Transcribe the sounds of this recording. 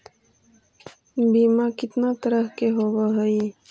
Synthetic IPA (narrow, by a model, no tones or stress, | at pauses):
biːmakɪt̪nat̪əɾəɦkeɦoːwaɦəi